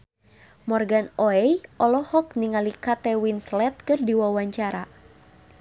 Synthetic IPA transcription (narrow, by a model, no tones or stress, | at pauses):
mɔrɡanɔɛjʔɔlɔhɔk̚niŋalikat̪ɛwinslɛt̪̚kɨrdiwawaɲt͡ʃaɾa